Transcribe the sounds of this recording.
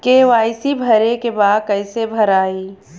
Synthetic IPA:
keʋaːɪsibʱɐɾekebaːd̪̚kɐɪsebʱɐɾaːiː

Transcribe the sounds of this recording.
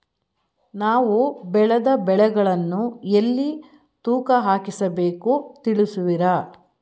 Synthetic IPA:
naːʋubɛɭɐd̪ɐbɛɭɛɡɐɭɐnːuelːi | t̪uːkɐɦaːkisɐbe̞ːkut̪iɭisuʋiɾa

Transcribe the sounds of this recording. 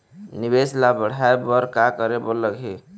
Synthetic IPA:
nibeslabəɽ̤aebəɾkakəɾeboləɡɦe

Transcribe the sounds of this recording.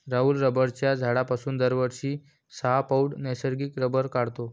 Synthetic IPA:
ɾaɦuːlɾəbəɾt͡ɕjad͡zʱaɽapasuːnd̪əɾʋəɾɕiː | səɦapauɽnɛsəɾɡiːkɾəbəɾkaɽt̪o

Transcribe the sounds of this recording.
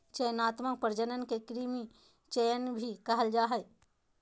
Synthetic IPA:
t͡ʃəjnaːt̪mək̚pəɾd͡ʒənənkekɾimi | t͡ʃəjənbʱikɐɦəld͡ʒaːɦə

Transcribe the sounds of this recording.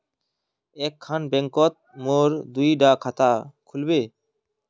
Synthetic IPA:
ɛkʰːanbɛŋkɔt̪̚moɾd̪ujɖakʰat̪akʰulbe

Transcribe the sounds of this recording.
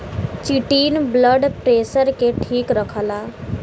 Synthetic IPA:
t͡ʃiʈinbləɖpɾesəɾkeʈʰikɾəkʰəla

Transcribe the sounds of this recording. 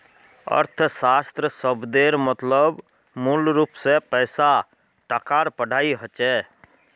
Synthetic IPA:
ə̰ɾt̪ʰsaːst̪ɾəsəbd̪eːɾmət̪ləb | mulɾuːpsepɛːsa | ʈəkaːɾpəɖʱaːiɦət͡ʃɛː

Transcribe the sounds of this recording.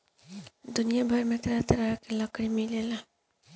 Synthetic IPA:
d̪ʊnijabʱɐɾmẽt̪ɐɾat̪ɐɾakelɐkɽimilela

